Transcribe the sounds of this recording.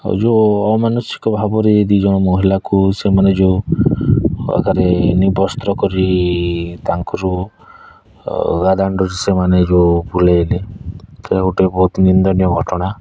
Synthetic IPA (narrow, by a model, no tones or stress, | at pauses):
d͡ʒoɔmanɔsi̥kɔbʱabɔɾed̪id͡ʒɔɽ̃ɔmoɦilakusemaned͡ʒeu | a̰ɡaɾenibɔst̪ɾɔkɔɾi | t̪aŋkɔɾu | ɡad̪aɳɖɔɾisemaned͡ʒebulelet̪ʰelaɡoʈebɔɦut̪nind̪ɔnijɔɡʱɔʈɔɽ̃a